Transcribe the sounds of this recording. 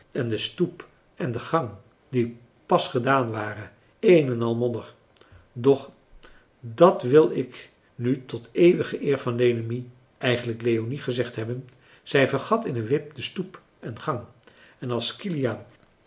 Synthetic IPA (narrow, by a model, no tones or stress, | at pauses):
ɛndəstup | ɛndəχɑŋ | di | pɑsχədaːnʋaːrə | ejnɛnɑlˠmɔndər | dɔχ | dɑtʋɪlˠɪk | nytɔtejʋəχəʔɪːɹvɑndenəmi | ʔɛjχənləklejoniχəzɛχtɦɛbən | z̥ɛjvəɹχɑtɪnənʋɪp̚dəstup | ɛnχɑŋ | ɛnɑlˠskilijan